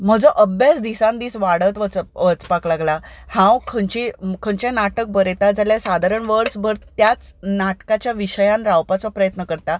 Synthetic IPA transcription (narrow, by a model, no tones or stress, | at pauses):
m̤əd͡zəʔəbjasd̪isãnd̪iːsʋaɽət̪ʋət͡sʋət͡spaklaɡlahãwkʰəɳt͡ɕikʰəɳt͡ɕanaʈək̚bəɾet̪ad͡zaljasad̪ʱaɾəɳʋəɾsbʱəɾt̪jat͡snaʈkat͡ɕjaʋiɕəjãnɾawpat͡sɔpɾəjət̪nəkəɾt̪a